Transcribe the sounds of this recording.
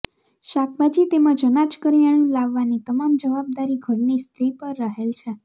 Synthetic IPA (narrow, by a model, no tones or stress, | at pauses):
ʃak̚ʰbad͡ʒit̪emãd͡ʒənat͡ʃkəɾjaɳ̃jũlaʋːanit̪əmamd͡ʒəʋab̚d̪aɾiɡʱəɾnist̪ʰɾipəɾːəɦelt͡ʃʰe